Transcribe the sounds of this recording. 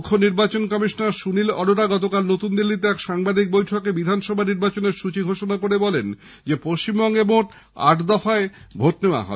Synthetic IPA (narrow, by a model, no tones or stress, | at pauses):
kʰːoniɾbat͡ɕonkɔmiʃonaɾʃunilɔ̰ɽoʈaɡɔt̪okalnot̪und̪ilːit̪eɛkʃaŋbad̪ʱik̚bojʈʰokebid̪ʱanʃɔbʱaniɾbat͡ɕoneɾʃut͡ɕiɡʱoʃonakoɾebɔlen | d͡ʑepoʃt͡ɕimbɔŋɡemoʈ | a̰ʈd̪ɔfaebʱot̪neoa̰ɦɔ̰e